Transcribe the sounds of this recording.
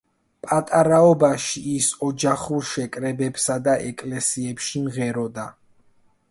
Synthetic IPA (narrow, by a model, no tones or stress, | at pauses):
pʼat̪ʼaɾaɔbaʃiːsɔd͡ʒaχuɾʃɛkʼɾɛbɛpsad̪aʔɛkʼlɛsiɛpʃimʁɛɾɔd̪a